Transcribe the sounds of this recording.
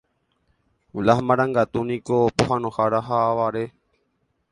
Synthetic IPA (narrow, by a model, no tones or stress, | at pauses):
ulahmãɾ̃ãŋɡat̪unĩkopoɦãnõhaɾaɦaːʋaɾe